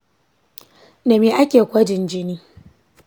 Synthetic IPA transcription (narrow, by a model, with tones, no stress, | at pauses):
na˨miː˦ʔa˦kʲeː˨kʷɐ˦d͡ʒɪ˨nd͡ʒɪ˦niː˦